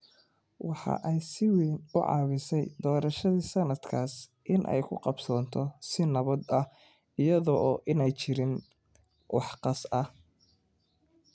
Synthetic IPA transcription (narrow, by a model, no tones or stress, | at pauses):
wɑħɑ̰ʔɛjsɪwiːnʊʕɑ̰ːwɪsɛjd̪ɔːɾɐʃɐðiːsɐnɐd̪kʰaːsʔɪnʔɛ̰jkʰʊqɑbsɔːnt̪ʰɔsɪnɐβɐd̪ɐ | ɪjɐðɔʔːʔɪnɛjt͡ʃɪɾɪn | wɑ̰ħqɑsɐ